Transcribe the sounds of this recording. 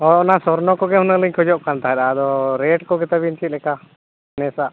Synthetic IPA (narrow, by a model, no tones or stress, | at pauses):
ɔɔnasɔɾnɔkɔɡɛɦhunəliɲkʰɔd͡ʒɔʔkant̪aɦɛɗad̪ɔɾɛʈkɔɡɛt̪abint͡ʃit̪̚lɛka | nɛsaʔ